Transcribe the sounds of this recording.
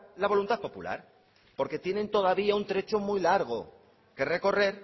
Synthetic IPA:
laβo̞lunt̪aθpo̞pṵla̰ɾ | po̞ɾke̞t̪je̞nẽ̞nt̪o̞ðaβiaunt̪ɾe̞t͡ʃomujlaɾɣ̞o̞ | ke̞re̞ko̞re̞ɾ

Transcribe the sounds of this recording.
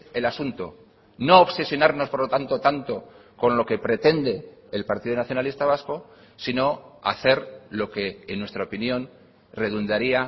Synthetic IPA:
e̞lasunt̪o | no̞ːβse̞sjo̞naɾno̞spoɾlo̞t̪ant̪ot̪ant̪o̞ | ko̞nlo̞ke̞pɾe̞t̪e̞nd̪e̞ːlpaɾt̪iðonaθjo̞nalist̪aβasko̞ | sino̞a̰θe̞ɾlo̞ke̞ːnwe̞st̪ɾaopinjõ̞n | re̞ðund̪aɾia

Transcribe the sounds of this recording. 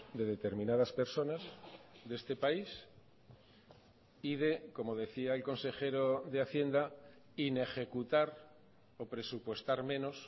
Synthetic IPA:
d̪e̞ðe̞t̪e̞ɾmĩnað̞aspe̞ɾso̞nazd̪e̞st̪e̞pais | iðe̞ko̞mo̞ð̞e̞θiaelko̞nse̞xe̞ɾoðeaθje̞nd̪a | ine̞xe̞kut̪aɾ | opɾe̞supwe̞st̪aɾmẽ̞no̞s

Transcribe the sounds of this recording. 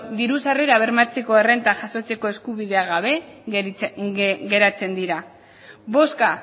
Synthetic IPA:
d̪iɾusareɾaβ̞e̞ɾmat͡se̞ko̞e̞re̞nt̪aʝaso̞t͡se̞ko̞e̞skuβiðe̞aɣaβe̞ | ɡe̞ɾat͡se̞nd̪iɾa | βo̞ska

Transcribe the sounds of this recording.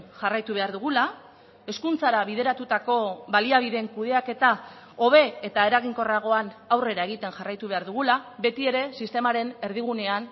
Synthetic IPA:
ʝarajt̪uβe̞aɾðuɣula | e̞skunt͡saɾaβið̞e̞ɾat̪ut̪ako̞βaliaβ̞iðe̞ŋkuðe̞ake̞t̪a | o̞β̞e̞et̪ae̞ɾaɣ̞iŋko̞raɣ̞o̞anawre̞ɾaeɣ̞it̪e̞nʝarajt̪uβe̞aɾðuɣ̞ulaβe̞t̪ie̞ɾe̞sist̪e̞maɾe̞ne̞ɾðiɣ̞une̞an

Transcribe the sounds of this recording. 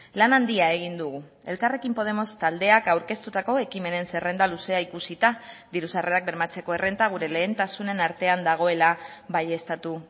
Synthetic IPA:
lanand̪iae̞ɣ̞ind̪uɣ̞u | e̞lkare̞kimpo̞ð̞e̞mo̞st̪ald̪e̞akawɾke̞st̪ut̪ako̞e̞kime̞ne̞nse̞re̞nd̪aluse̞aikusit̪ad̪iɾusare̞ak̚beɾmat͡se̞ko̞e̞re̞nt̪aɣ̞uɾe̞le̞ːnt̪asune̞naɾt̪e̞and̪aɣ̞o̞e̞laβaje̞st̪at̪u

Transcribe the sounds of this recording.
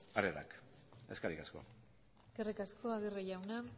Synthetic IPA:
aɾeɾa̰k | e̞skaɾikasko̞̰ | eskerikasko̞aɣereʝawna

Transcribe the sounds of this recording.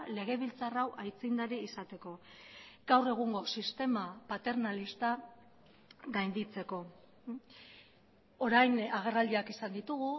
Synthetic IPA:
le̞ɣ̞e̞β̞ilt͡sarawʔajt͡sind̪aɾiːsat̪e̞ko̞ɡ̥awre̞ɣ̞uŋɡo̞sist̪e̞mapat̪e̞ɾnalist̪a | ɣajnd̪it͡se̞ko̞ | oɾajnaɣ̞e̞rald̪iakisand̪it̪uɣ̞u

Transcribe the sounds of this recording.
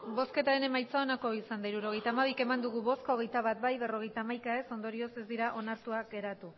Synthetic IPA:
bo̞ske̞t̪aɾe̞ne̞majt͡sao̞nako̞isand̪aiɾuɾo̞ɣ̞e̞jt̪aːmaβ̞ike̞mand̪uɣ̞uβo̞skooɣ̞e̞jt̪aβat̪̚bajβe̞ro̞ɣe̞jt̪aːmajkae̞so̞nd̪o̞ɾio̞se̞zd̪iɾaʔo̞naɾt̪uaɡe̞ɾat̪u

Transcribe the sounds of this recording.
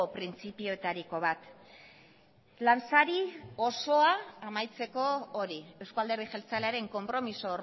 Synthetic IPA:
pɾint͡sipio̞et̪aɾiko̞βat̪ | lansaɾiɣo̞so̞aːmajt͡se̞ko̞oɾiewskoald̪e̞ɾðixelt͡saleaɾe̞ŋko̞mpɾo̞misoːr

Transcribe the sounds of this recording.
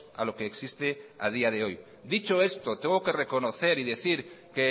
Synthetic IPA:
a̰lo̞keːksist̪ea̰ð̞iað̞eoj | d̪it͡ʃoe̞st̪ot̪eŋɡoke̞rekonoθeɾiðeθiɾke

